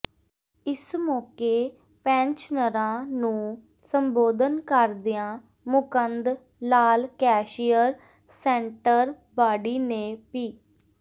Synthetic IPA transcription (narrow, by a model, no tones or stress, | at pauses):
ɪsmɔːkeː | pɛ̃ːnt͡ʃnəɾãːnũː | səmboːd̪ənkəɾd̪ɪjãː | mʊkənd̪ | laːlkɛːʃijəɾ | sɛ̃ːɳʈəɾ | baːɖiːneːpiː